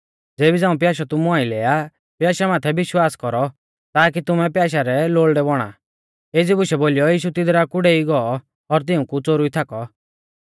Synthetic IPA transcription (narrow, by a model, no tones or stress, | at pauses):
d͡zeːbid͡zãːũp̬jaːʃɔt̪ʊmuaːĩlɛːja | pjaːʃamaːt̪ʰɛbɪʃwaːskɔɾɔ | t̪aːkit̪ʊmɛpjaːʃ̬aɾɛloːlɖɛbɔɽ̃a̰ | eːd͡zibʊʃɛboːlijɔjiːʃut̪ɪd̪ɾakʊɽɛiɡɔɔ | ɔɾt̪ɪũkut͡soɾuit̪ʰakɔ